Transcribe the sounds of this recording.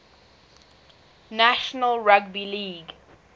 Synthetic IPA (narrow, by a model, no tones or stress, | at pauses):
næʃənəlɹaɡ̚biliːɡ